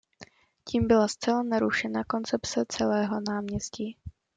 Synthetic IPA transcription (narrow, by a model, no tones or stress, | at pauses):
ciːmbɪlast͡sɛlanaɾuʃɛnako̞nt͡sɛpt͡sɛt͡sɛlɛːɦo̞naːmɲɛsciː